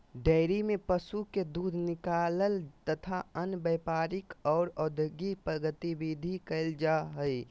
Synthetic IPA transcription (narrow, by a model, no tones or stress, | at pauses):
ɖəɪɾimepəsuked̪uːd̪ʱnɪkaləlt̪ət̪ʰaənbəjpaɾɪkɔːɾɔd̪ʱəɡipɾəɡət̪ibid̪ʱikəɪld͡ʒaɦəj